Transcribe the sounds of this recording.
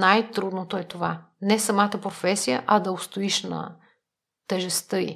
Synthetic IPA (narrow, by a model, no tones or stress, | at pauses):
najt̪ɾud̪not̪oɛt̪ova | nɛsɐmat̪əpɾofɛsijəʔɐd̪ɐost̪oiʃnɐ̰ | t̪ɛʒɛst̪ɤḭ